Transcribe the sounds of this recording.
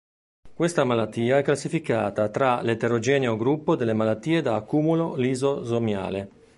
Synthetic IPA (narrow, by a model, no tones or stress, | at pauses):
kwest̪amalat̪ːiːaɛkːlasːifikaːt̪at̪ɾalet̪eɾod͡ʒɛːneoɡɾupːod̪elːemalat̪ːiːed̪aːkːuːmulolizozomja̰ːle